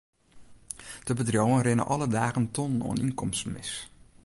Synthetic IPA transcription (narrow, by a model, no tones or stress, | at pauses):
d̥əbədrowənrɪnə̰ʔɔlədaːɣəntɔnno̰əninkɔmstmɪ̰s